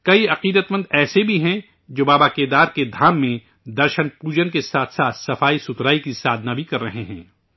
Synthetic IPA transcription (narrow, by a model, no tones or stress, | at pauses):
kɐiɐqiːd̪ət̪mə̃nd̪ɛːsebʱiɦɛ̃ | d͡ʒoːbaːbaːkeːd̪aːɾked̪ʱaːmːẽ | d̪ɐɾʃənpuːd͡ʒənkesaːt̪ʰsaːt̪ʰsɐfaːisʊt̪ɾaːikisaːd̪ʱnaːbʱikɐɾːɐɦeɦɛ̰̃ː